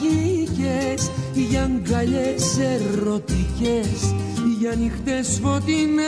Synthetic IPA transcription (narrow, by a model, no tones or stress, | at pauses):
icesiʝɐŋɡɐʎeseɾo̞t̪ices | iʝɐnixt̪esfo̞t̪in